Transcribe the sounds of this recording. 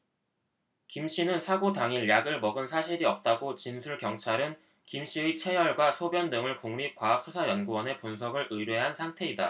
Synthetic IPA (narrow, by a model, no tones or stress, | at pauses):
kimɕ͈inɯnsʰaɡodaŋiɭjaɡɯɭmʌɡɯnsʰaɕʰiɾiʌp̚t͈aɡot͡ɕinsʰuɭkjʌŋt͡ɕʰaɾɯn | kimɕ͈iɯit͡ɕʰe̞jʌɭɡwasʰobjʌndɯŋɯɭkuŋmip̚k͈waɦap̚s͈ʰusʰajʌnɡuwʌne̞punsʰʌbɯɾʔɯɾjeɦansʰaŋtʰe̞ida